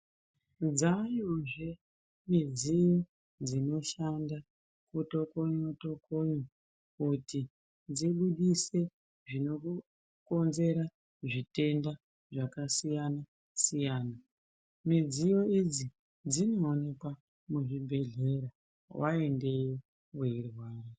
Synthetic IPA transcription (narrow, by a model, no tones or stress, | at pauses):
d͡zajoʐe | mid͡zijo̞ | d͡zino̞ʃanda | kuto̞koɲoto̞koɲo | kuti | d͡ziɓuɗise̞ | ʐino̞ku | ko̞nze̞ɾa | ʐite̞nda | ʐakasijana | sijaːna | mid͡zijo̞id͡zi | d͡zino̞ːne̞kwa | muʐibʱe̞ɮe̞ɾa | wʔa̰e̞nde̞jo | weirwaːre